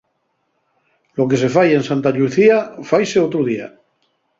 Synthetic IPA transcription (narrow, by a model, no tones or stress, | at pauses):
lo̞ke̞s̬e̞faje̞nsant̪aʎuθiafajseot̪ɾuð̞ia̰